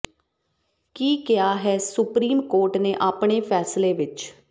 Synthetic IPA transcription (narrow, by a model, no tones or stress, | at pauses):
kiːkɪjaːɦɛːsʊpɾiːmkoːɾʈneːʔaːpɳ̃eːpʰɛːsleːʋɪt͡ʃ